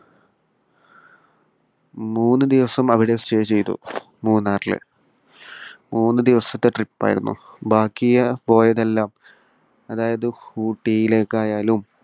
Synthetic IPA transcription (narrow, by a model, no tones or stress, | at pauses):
muːnːɨd̪iʋɐsɐmɐʋiɽe̞sʈeːt͡ɕe̞jt̪ṵ | muːnːaːrilɨ̰ | muːnːɨd̪iʋɐsɐt̪ːeʈripːa̰ːjḭɾṵnːṵbʱaːkːijɐpo̞ːjɐðelːaːm | ɐðaːjɐðɨhuːʈːijile̞ːkːaːjaːlum